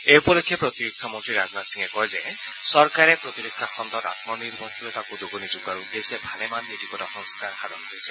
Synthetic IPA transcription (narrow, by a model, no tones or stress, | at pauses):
eupɔɾɔkʰːjepɾɔt̪iɾikʰːɔmɔnt̪ɾiɾad͡ʒnatsiŋekɔɦeze | sɔɾkaɾepɾɔt̪iɾikʰːaxʰɔnt̪ɔɾa̰t̪mɔniɾbʱɔt̪uɾet̪akud̪oɡɔnid͡ʒuɡaɾud̪esebʱalemanːit̪ikɔtaxɔŋskʰaɾhaɾɔkesʰɛ̥